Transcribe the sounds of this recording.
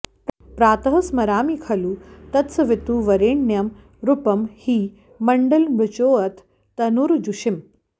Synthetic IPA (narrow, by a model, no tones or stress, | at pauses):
pɾaːt̪ɐɦɐsmɐɾaːmikʰɐluːt̪ɐt̪sɐʋɪt̪uːʋɐɾeːɳːjɐm | ɾupɐmhiː | mɐɳɖɐlmɾut͡ʃoːɐt̪ʰː | ɐnuɾd͡ʒuʃim